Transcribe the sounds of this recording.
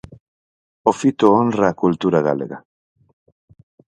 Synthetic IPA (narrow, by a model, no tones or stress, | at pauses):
ofit̪oonrakult̪uɾaɣa̰leɣa